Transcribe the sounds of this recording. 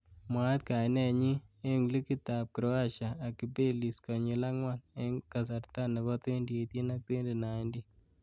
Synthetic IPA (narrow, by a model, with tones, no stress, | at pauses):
mwa˦t̪̚ka˨jnɛ˦ɲi˦e˦ŋlu˦ki˦ta˨p̚kɾɔ˦a˦ʃa˨a˨kːi˨be˦li˨skɔ˨ɲi˨la˦ŋwa˦ne˦ŋka˨s̬a˨rta˦nɛ˨bɔ˦twe˦ndi˨e˨ti˦na˦k̚twe˦nde˨na˨indi˦